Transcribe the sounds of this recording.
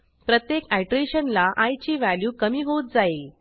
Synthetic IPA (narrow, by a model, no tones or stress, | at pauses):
pɾət̪jekaʈɾeɕənlaʔajt͡ɕiːʋæljuːkəmiːɦot̪̚d͡zael